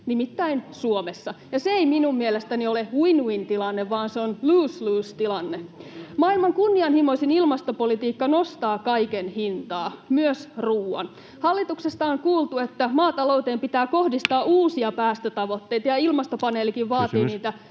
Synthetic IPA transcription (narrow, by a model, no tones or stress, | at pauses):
nimit̪ːæinsuomesːɑjɑseeiminummielest̪ænioleuinuint̪ilɑnːeʋʋɑːnseonluːsluːst̪ilɑnːemɑːilmɑŋkunːiɑnhimo̞isinilmɑst̪opolit̪iːkːɑnost̪ɑːkɑikenhint̪ɑːmyøsruːɑ̰n | hɑlːit̪uksest̪ɑoŋkuːlˠt̪uet̪ːæmɑːt̪ɑlout̪eːmpit̪æːko̞hdist̪ɑːuːsiɑpæːst̪øt̪ɑʋo̞t̪ːe̞jt̪ɑjɑilmɑst̪opɑneːlːikiʋʋɑːt̪iːniːt̪æ